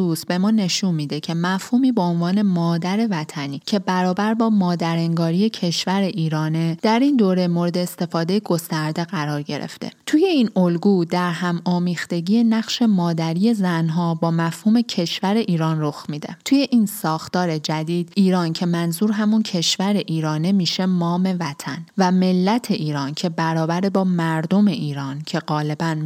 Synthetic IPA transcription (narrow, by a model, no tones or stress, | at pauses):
usbe̞mɒːne̞ʃunmiːd̪ecʰe̞mæfhuːmiːbeonvɒːne̞mɒːd̪æɾe̞væt̪ʰæniːcʰe̞bæɾɒːbæɾbɒːmɒːd̪æɾeŋɡɒːɾije̞cʰe̞ʃvæɾe̞ʔiːɾɒːne̞d̪̥æɾind̪oːɾemo̞ɾe̞d̪e̞ːst̪e̞fɒːd̪e̞jeɡo̞st̪æɾd̪e̞ɣæɾɒːɾɟe̞̰ɾḛft̪ḛt̪ʰuje̞iːnolɡud̪æɾɦæmɒːmiːxt̪e̞ɟije̞næɣʃe̞mɒːd̪æɾije̞zænɦɒːbɒːmæfhuːme̞cʰe̞ʃvæɾe̞ʔiːɾɒːnro̞xmiːd̪e̞̰t̪ʰuje̞ʔinsɒːxt̪ɒːɾe̞d͡ʒæd̪iːd̪̥iːɾɒːncʰe̞mænzuːɾɦæmuncʰe̞ʃvæɾe̞ʔiːɾɒːnemiːʃe̞mɒːme̞væt̪ʰænvæme̞lːæt̪ʰe̞ʔiːɾɒːncʰe̞bæɾɒːbæɾebɒːmæɾd̪o̞me̞ʔiːɾɒːncʰe̞ɢɒːle̞bæn